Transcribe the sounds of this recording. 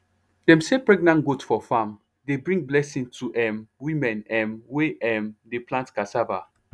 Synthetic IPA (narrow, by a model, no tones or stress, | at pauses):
d̥ɛ̃msepɹɛɡnãnɡotfɔfãm | debɹĩŋɡ̚blɛsĩŋtʰuʔɛ̃mwĩmɛ̃nɛ̃mweʔɛ̃mdeplãntkasava